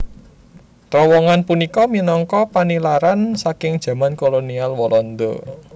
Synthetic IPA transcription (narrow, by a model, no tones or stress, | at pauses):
t̪ɾɔwɔŋanpunikɔminɔŋkɔpanilaɾansakɪŋd̥ʒ̥ä̤mankolonialwɔlɔnd̪ɔ̰